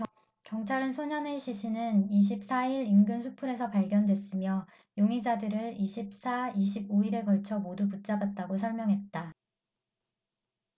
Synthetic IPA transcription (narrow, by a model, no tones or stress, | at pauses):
kjʌŋt͡ɕʰaɾɯnsʰoɲʌne̞ɕʰiɕʰinɯniɕ̬ʰip̚s͈ʰaiɾinɡɯnsʰupʰuɾe̞sʰʌpaɭɡjʌndwe̞s͈ɯmjʌ | joŋid͡ʑadɯɾɯɭiɕʰip̚s͈ʰaiɕ̬ʰiboiɾe̞kʌɭt͡ɕʰʌmoduput̚t͡ɕ͈abat̚t͈aɡosʰʌɭmjʌŋɦe̞t̚t͈a